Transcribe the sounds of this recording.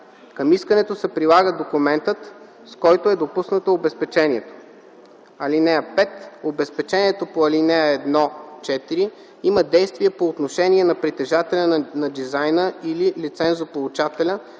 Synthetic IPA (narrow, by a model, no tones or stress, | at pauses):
kɐmiskənɛt̪osɛpɾilˠaɡəd̪okumɛnt̪ət̪ | skɔjt̪oɛd̪opusnət̪oːbɛspɛt͡ʃɛniɛt̪o̥ | ɐlinɛɐpɛt̪obɛspɛt͡ʃɛniɛt̪opoɐlinɛɐɛd̪nɔt͡ʃɛt̪iɾi | iməd̪ɛjst̪viɐpoːt̪noʃɛniɛnɐpɾit̪ɛʒat̪ɛlʲɐnnɐd̪izajnəililit̪sɛnzopolˠut͡ʃat̪ɛlʲə